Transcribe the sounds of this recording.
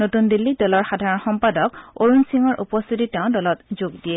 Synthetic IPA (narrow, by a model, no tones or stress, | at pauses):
notundilːidɔlɔɹxadʱaɹɔnxɔmpadɔkoɹunsiŋɔɹʔupɔst̪ʰititeʊ̃dɔlɔtzoɡdiɛ